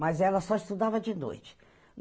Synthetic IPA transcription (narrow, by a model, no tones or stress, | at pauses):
mɐzɛlɐsɔist̪ud̪avɐd͡ʒɪno̰jt͡ʃɪ̥ | n